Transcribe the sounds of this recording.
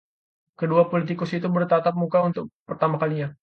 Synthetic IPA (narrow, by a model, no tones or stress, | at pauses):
kəduapolit̪̬ikʊsit̪ubərt̪at̪ap̚mukaunt̪ʊk̚pərt̪amakaliɲa